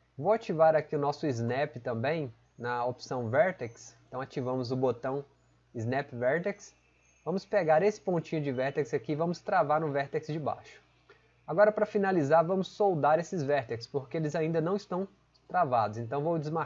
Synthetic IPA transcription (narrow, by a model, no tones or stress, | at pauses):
vowat͡ʃivaɾakiʊnɔsʊiznɛpɪt̪ɐ̃mbẽj̃ | nɐopsɐ̃w̃vɛɾt̪ɛksẽnt̪ɐ̃w̃at͡ʃivɐ̃mʊzʊbot̪ɐ̃w̃ | iznɛpɪvɛɾt̪eks | vɐ̃mʊspeɡaɾesɪ̥põnt͡ʃĩɲʊd͡ʒɪvɛɾt̪ɛkz̥akiːvɐ̃mʊst̪ɾavaɾʊ̃vɛɾt̪ɛksd͡ʒɪba̰ʃʊ̥ | aɡɔɾɐpɾɐfinalizaɾvɐ̃mʊsːowd̪aɾesɪzvɛɾt̪ekspoɾkeelɪzaĩnd̪ɐnɐ̃w̃ɪst̪ɐ̃w̃ | t̪ɾavad̪ʊzẽnt̪ɐ̃w̃vowd͡ʒɪzma